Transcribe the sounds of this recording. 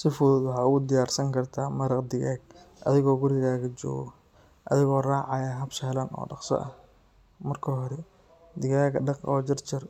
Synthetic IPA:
sɪfʊððʊɦɐʊɣʊd̪ɪjaːrsɐŋkʰɐrt̪ʰaːmɐɾɐqd̪ɪɣaːɡ̚ʔɐ̰ðɪɣɔːɡʊɾɪɣaːɣɐd͡ʒɔ̰ːɣɔ | ʔɐ̰ðɪɣɔːraːʕɑjaɦɐbʃɛlɐnɔ̰ːɖɑqsɔ̰ʔɐ | mɐrkʰɔɦɔɾɛ | d̪ɪɣaːɡɐɖɑqɔːd͡ʒɐrt͡ʃɪr

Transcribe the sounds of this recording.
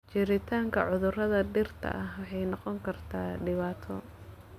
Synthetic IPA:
t͡ʃɪɾɪt̪ʰaːŋkʰɐʕʊðʊrɐðɐɖɪrt̪ʰɐ̰ʔɐhwɑħɑjnɔqɔŋkʰɐrt̪ʰaːɖɪβaːt̪ʰɔ

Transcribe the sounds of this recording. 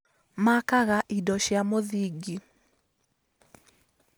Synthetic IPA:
makaɣaʔidɔʃjamoðiɡi

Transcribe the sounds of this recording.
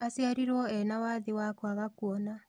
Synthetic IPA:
asjaɾiɾwɔɛnawaðiwakwaɣakuɔna

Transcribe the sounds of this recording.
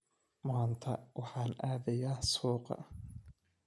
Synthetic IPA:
mːnt̪ʰɐwɑħɑːnaːðɐjaːsuːqɑ̰

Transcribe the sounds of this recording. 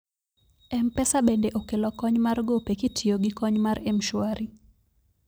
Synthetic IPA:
ɛm̩pɛsaɓɛdɛʔokelɔkɔɲmaɾɡopɛkitʰioɡikɔɲmaɾɛm̩ʃwaɾʔi

